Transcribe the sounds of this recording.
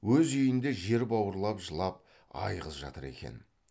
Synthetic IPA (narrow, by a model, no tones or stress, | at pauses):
wɵzʏjɪnd̪e̞ʒe̞ɾbɑwəɾlˠɑpʒəlˠɑp̚ | ɑ̰jʁəzʒɑ̰t̪əɾe̞̰kʲe̞̰n